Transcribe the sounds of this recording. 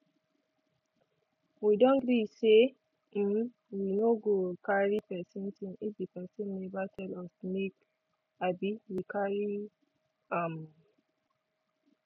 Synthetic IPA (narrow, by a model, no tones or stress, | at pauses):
widɔ̃nɡɹise | winoɡokaɹipɛsɔ̃nsĩnifd̪ipɛsɔ̃nːebatʰɛlɔsmek | abiwikaɹi | ãm